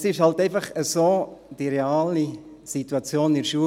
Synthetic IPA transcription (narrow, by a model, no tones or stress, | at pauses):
sɪʃhɑlt̪ɛɪfɑχəsoːd̥iɾeaːli | sit̪uɑt͡sjoːnɪɾʃuːə